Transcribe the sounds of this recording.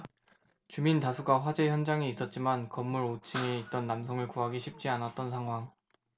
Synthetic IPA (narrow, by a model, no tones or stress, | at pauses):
t͡ɕumintasʰuɡaɸwad͡ʑe̞çjʌnd͡ʑaŋiis͈ʌt̚t͡ɕ͈imankʌmːuɾot͡ɕʰiŋeit̚t͈ʌnːamsʰʌŋɯɭkuɦaɡiɕʰip̚t͡ɕ͈ianat̚t͈ʌnsʰaŋɦwaŋ